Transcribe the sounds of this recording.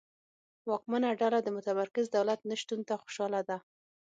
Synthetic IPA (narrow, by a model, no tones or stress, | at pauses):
wɑk̚manaɖalad̪əmʊt̪amaɾkɪzd̪awlat̪̚naʃt̪unt̪axʊ̥ʃɑlad̪a